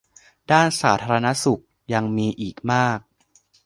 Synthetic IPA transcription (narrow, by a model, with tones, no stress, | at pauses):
daː˥˩nsaː˩˦t̪ʰaː˧ɾa˧na˦˥su˨˩k̚ | ja˧ŋmiː˧ʔiː˨˩k̚maː˥˩k̚